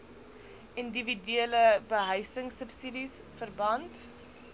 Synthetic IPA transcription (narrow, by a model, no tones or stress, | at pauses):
individyələbəɦəjsəŋsəpsidisfərbɐnt